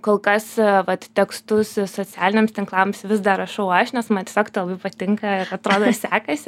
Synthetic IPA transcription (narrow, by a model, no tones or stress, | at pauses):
koːlˠkɐsʋɐt̪t̪ʲɛkst̪ʊssoːt͡sʲæːlʲɪnʲeɛmst̪ʲɪŋklˠɐmsʋʲɪzd̪ɐɾɐʃɐʊɐʃnʲɛsmɐnt̪ʲeɛsʲoːkt̪ɐɪlˠɐbɐɪpɐt̪ʲɪŋkɐɪɾɐt̪ɾoːd̪oːsʲæːkɐsʲɪ